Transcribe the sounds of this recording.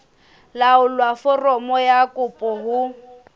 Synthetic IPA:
laʊlwafɔrɔmɔjakʼʊpʼɔɦʊ

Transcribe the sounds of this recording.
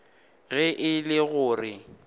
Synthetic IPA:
ɣɛʔɪlɪɣʊːrɪ

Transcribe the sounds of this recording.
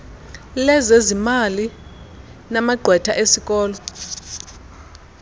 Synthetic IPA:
lɛzezimali | namaɡ͡ǃʱwɛtʰa̰ʔesikʼɔːlɔ

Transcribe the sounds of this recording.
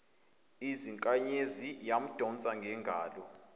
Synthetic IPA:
iziŋkʼaɲezijam̩d̥ʱɔnt͡sʼaŋɡʱɛŋɡʱaːlɔ

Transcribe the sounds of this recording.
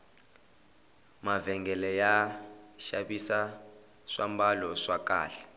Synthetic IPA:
mavɛŋɡɛlɛja | ʃaɓisa | ʂambalɔʂak̬ʼa̰ːɬɛ̥

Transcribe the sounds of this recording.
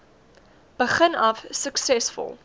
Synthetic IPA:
b̥əχənɐfsəksɛsfɔ̰lˠ

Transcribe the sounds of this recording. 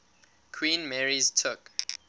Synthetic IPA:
kʰwĩːnmɛɹiz̥tʰʊk

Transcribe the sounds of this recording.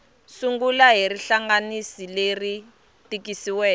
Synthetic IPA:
suŋɡulaɦiriɬaŋɡanisileri | tikisiwɛː

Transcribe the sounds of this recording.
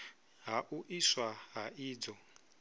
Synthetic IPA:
ɦaʔuʔiswaɦaiːd͡zɔ

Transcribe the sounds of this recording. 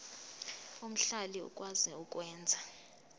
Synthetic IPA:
um̩ɬaliṵkʼwazɛukʼwɛːnd͡zʱa

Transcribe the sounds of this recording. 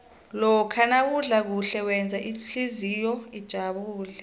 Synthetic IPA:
lɔkʰanak̬uɮak̬uɬɛwɛnd͡zʱaʔiɬizijɔid̥ʒ̥ʱaɓuːlɛ

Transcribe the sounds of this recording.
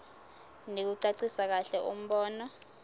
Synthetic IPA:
nek̬uǀaǀisak̬aɬɛʔum̩ɓɔːnɔ

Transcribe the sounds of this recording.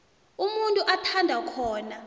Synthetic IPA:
umuntʼuʔatʰandʱakʰɔːna

